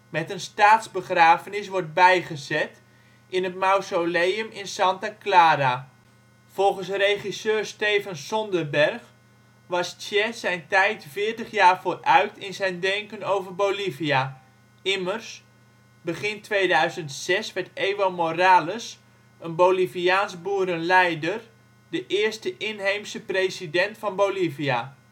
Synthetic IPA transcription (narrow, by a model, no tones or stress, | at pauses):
mɛtənstaːtzbəχraːvənɪs̬ʋɔɹt̚bɛjχəzɛt | ʔɪnətmawsolejəmɪnsɑntaklaːɾa | v̥ɔlˠχənsrejχisøːrstejfɑnsɔndərbɛrχ | ʋɑstɛsɛjntɛjtfɪːɹtəχjaːrvoːrœɥtɪnzɛjndɛŋkənowvərbolivia | ɪmərs | bəχɪntʋejdœɥzəntsɛsʋɛɹteːʋomoraːləs | ənbowliviaːnzbuəɾənlɛjdər | dəʔɪːrstəʔɪnɦejmsəprejsidɛntfɑnbowlivia